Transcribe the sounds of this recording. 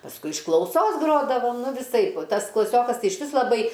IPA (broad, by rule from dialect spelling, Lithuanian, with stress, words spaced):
pɐsˈkʊɪ ɪʃ klˠɐʊˈsoːs ˈɡroːdɐʋoːm ˈnʊ ʋʲɪˈsɐɪp ˈtɐs klˠɐˈsʲoːkɐs ˈtɐɪ ɪʃʲˈʋʲɪs lˠɐˈbɐɪ